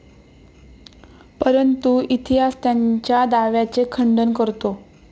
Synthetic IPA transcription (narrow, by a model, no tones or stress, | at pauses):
pəɾənt̪uit̪ʰiɦast̪jaɲt͡ɕjad̪aʋjat͡sekʰəɳɖənkəɾt̪o